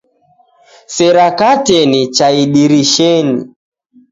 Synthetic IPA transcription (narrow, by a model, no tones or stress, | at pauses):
sɛɾakatɛnit͡ʃaiɗiɾiʃɛni